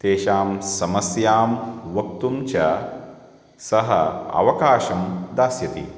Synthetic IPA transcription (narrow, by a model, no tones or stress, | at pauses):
t̪eːʃaːmsɐmɐsjaːmʋɐk̚t̪umt͡ʃɐ | sɐɦɐ̰ɐ̰ʋɐkaːʃɐmd̪aːsjɐt̪i